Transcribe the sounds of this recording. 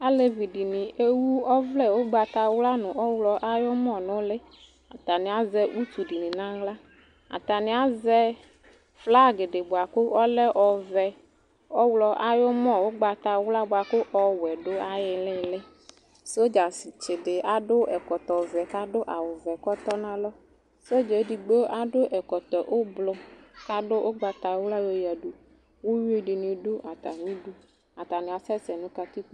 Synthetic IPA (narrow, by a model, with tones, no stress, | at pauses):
a˦le˦vi˨ɖi˨nĩ˨e˦wu˦ɔ˦vlɛ˦wo˦ɡ͡ba˨t̪a˨wla˦nʊ̃˨ɔ˦wlɔ˨ʔa˦jɔ˦mɔ̃˦˨nʊ̃˦le˦ | a˨t̪a˨nɪ̃˨a˦zɛ˦ʔu˦t̪u˨ɖi˨nĩ˨nã˦ɣla˦ | a̰˨t̪a˨nɪ̃˨a˦zɛ˦ | fla˦˨ɡe˨ɖɪ˨bo˨a˨kʊ˦ɔ˦lɛ˦ʔɔ˨vɛ˦ | ɔ˦wlɔ˨ʔa˦jɔ˦mɔ̃˦˨wo˦ɡ͡ba˨t̪a˨wla˦bʊ˨a˨kʊ˦ʔɔ˦wɛ˨ɖʊ˦a˨jɪ˨lɪ˦lɪ˦ | se˦o˦d͡ʒa˨si˨t͡ʃɪ˨ɖɪ˨ʔa˨ɖʊ˦ɛ˨kɔ˨t̪ɔ˨vɛ˨ka˦ɖo˦ʔa˨wʊ˨vɛ˨kɔ˦t̪ɔ˦nã˦lɔ˦ | so˦d͡ʒe˨˦di˨ɡ͡be˦ʔa˨ɖʊ˦ʔɛ˨kɔ˨t̪ɔ˨ʔo˦blɔ˦ka˦ɖʊ˦ʔo˦ɡ͡ba˨t̪a˨˦wla˦jo˦ja˨ɖu˦ | wo˦wu˦e˦ɖɪ˨nũ˨ɖʊ˦ʔa˨t̪a˨nĩ˦du˦ | a˨t̪a˨nɪ̃˨a˨sɛ˦sɛ˨nũ˦ka˨t̪i˦k